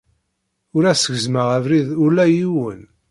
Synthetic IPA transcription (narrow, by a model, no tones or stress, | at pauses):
ʊɾæsəɣzməʁævɾiðʊlæjiwən